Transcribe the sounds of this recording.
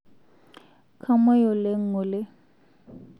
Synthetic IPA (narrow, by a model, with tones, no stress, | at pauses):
kʰa˦mɛ˦jɔ˨le˦ŋ̩˦ʊ˨lɪ˦